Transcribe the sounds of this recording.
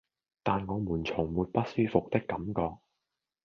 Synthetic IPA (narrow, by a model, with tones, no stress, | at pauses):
t̪aː˨nŋɔː˨˧muː˨˩nt͡sʰʊ˨˩ŋmuː˨˧t̚pɐ˥t̚syː˥fʊ˨k̚t̪ɪ˥kːɐ˨˥mkɔː˧k̚